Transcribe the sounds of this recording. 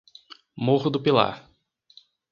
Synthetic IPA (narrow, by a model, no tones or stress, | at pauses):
moɦʊd̪ʊpila̰ɾ